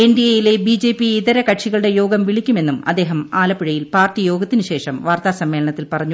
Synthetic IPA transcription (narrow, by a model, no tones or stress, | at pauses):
e̞ndiejile̞bid͡ʑe̞ːpiiðɐɾɐkɐʈʂiɣɐɭɨɽe̞jo̞ːɡɐmʋiɭikʲːume̞nːumɐd̪ːe̞ːɦɐmaːlɐpːiɻɐjilpaːrtijo̞ːɡɐt̪ːinuɕe̞ːʂɐmʋaːrt̪aːsɐmːe̞ːlɐɳɐt̪ːilpɐrɐɲːu